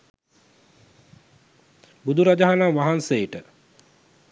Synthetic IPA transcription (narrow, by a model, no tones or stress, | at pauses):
bud̪uɾad͡ʒaɦanaʋaɦansejʈə